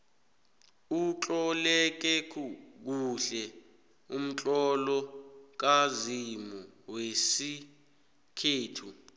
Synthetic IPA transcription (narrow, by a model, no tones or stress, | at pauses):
ut͡ɬʼɔlɛk̬ɛk̬uk̬uɬɛ | um̩t͡ɬʼɔlɔk̬azimuwesi | kʰeːtʰu